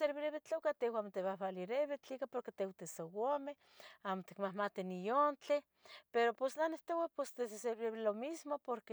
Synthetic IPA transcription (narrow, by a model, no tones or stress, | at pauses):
seɾβɾeβet͡ɬokat̪ewamot̪eβahβaliɾeβet͡ɬikapoɾket̪ewt̪esowomeh | amot̪i̥kmahmat̪inijont͡ɬe | peɾoposnaneht̪owapesd̪ezeseɾβɾeβelomismopoɾke